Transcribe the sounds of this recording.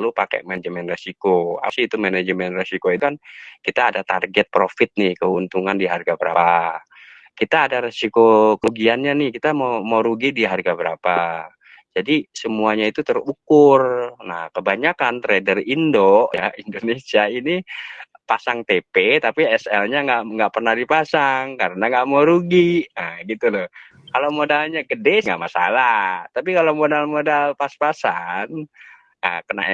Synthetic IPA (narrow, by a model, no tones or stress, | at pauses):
lupakɛ̰ʔmad͡ʒmɛnresikoa̰siːt̪umaned͡ʒəmɛnresikoit̪kankit̪aːdat̪arɡɛt̪̚pɾofɪt̪̚nɪhkəunt̪uŋandiɦarɡabəɾa̰a | kit̪aːdaɾesikokəuɡianɲanɪhkit̪amamawɾuɡidiɦarɡabəɾapa | d͡ʒadisəmuaɲait̪ut̪ərukʊrna̰hkəbaɲakant̪ɾedərindoʔja̰indonesiaini | pasaŋt̪epet̪apiɛsɛlɲaŋɡaʔŋɡaʔpərnahdipasaŋkaɾənaŋɡaʔmoɾuɡiəɡit̪ulɔ | kalomodalɲaɡədɛŋɡa̰ʔmasa̰lat̪ap̬ikalomodalmodalpaspasan | ə̰kəna̰ʔ